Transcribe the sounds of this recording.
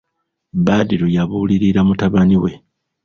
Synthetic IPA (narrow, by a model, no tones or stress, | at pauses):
baːdiɾujaβuliɾiɾamutaβaniwe̞